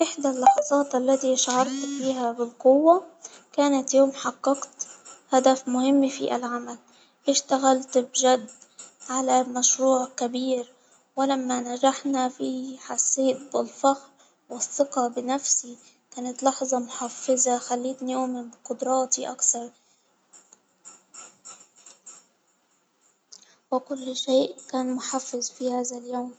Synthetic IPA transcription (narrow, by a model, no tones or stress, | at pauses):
ʔɪħd̪alːɑħɑzˤɑːt̪ʔalːat̪iʔʃʕɑɾˤt̪fiːɦabɪlqʊwːa | kaːnat̪joːmħɑqːɑqt̪had̪afmʊhɪmːfḭʔa̰lʕamal | ʔɪʃt̪aɣalt̪bʒad̪ʕalamaʃɾuːʕkabiːɾ | wɪlamːanad͡ʒaħnafiħaseːd̪̚bɪlfaxɾ | wɪsːɪqɑbɪnafsi | kaːnat̪lɑħzˤɑmʊħafːɪzaxalːiːt̪njoːmɪqʊd̪ɾˤɑːt̪iʔakθɑɾˤ | wɪkʊlːʃeːʔkaːnmʊħafːɪzfihaːðaljoːm